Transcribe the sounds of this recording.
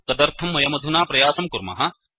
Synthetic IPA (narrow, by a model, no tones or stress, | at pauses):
k̪ɐd̪ɐɾt̪ʰɐmːɐjɐmɐd̪ʱunaːpɾɐjaːsɐmkuɾmɐ̰ɦɐ